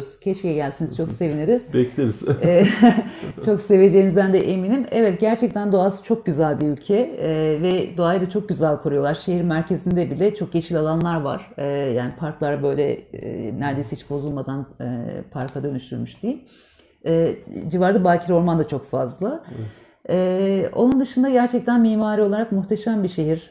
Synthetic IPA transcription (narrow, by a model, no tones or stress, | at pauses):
z̥cʰɛt͡ʃcijɛɟælʲsiniz̥t͡ʃʰo̞kse̞vineɾiz̥bɛklʲeɾiz̥ɛː | t͡ʃʰo̞kse̞ve̞d͡ʒejinizd̪ænd̪ɛʔeminimevɛt̪ɟæɾt͡ʃʰɛc̚t̪ʰænd̪o̞asɯ̥t͡ʃʰo̞k̚ɟyzælʲbiylʲcʰɛvɛd̪o̞ajd̪at͡ʃʰo̞k̚ɟyzælʲkʰoɾujo̞lˠaɾʃeɦiɾmæɾcʰe̞zind̪ɛbilʲɛt͡ʃʰo̞k̚ɟe̞t͡ʃʰilʲalˠanlˠaɾva̰ɾ̥ɯjaːnipʰaɾklˠaɾbø̞jlʲɛ̰næɾd̪e̞jsɛhit͡ʃpʰo̞zulˠmad̪an̰pʰaɾkʰad̪ø̞nyʃt̪ʰyɾmyʃd̪ijim | ɛːd͡ʒivaɾd̪abaːcʰiɾo̞ɾmand̪at͡ʃʰo̞kfazlˠa | ɛːo̞̰nund̪ɯʃɯnd̪aɟæɾt͡ʃʰɛc̚t̪ʰænmiːmaːɾio̞lˠaɾakmuxt̪ʰeʃæmbiʃe̞ɦiɾ̥